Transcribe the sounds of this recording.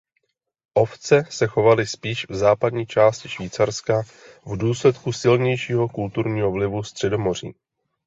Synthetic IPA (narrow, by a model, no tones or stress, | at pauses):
ʔo̞ft͡sɛsɛxo̞valɪspiːʃvzaːpadɲiːt͡ʃaːscɪ̥ʃviːt͡saɾska | vduːslɛt̪kusɪlɲɛjʃiːɦo̞kult̪uɾɲiːɦo̞vlɪvust̪r̥ɛdo̞mo̞r̝ḭː